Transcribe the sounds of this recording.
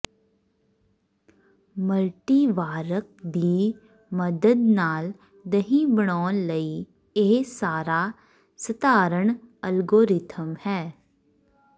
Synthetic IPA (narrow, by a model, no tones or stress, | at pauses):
məlʈiʋaːɾək̚d̪iː | məd̪əd̪naːl | d̪əɦĩbəɽ̃ɔːnləi | eːsaːɾa | sət̪aːɾəɳ̃əlɡoːɾɪt̪ʰəmhɛː